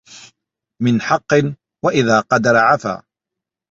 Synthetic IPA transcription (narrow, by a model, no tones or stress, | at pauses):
mɪnħɑqːɨn | waʔɪðaːqɑd̪ɑɾˤɑʕafa̰ː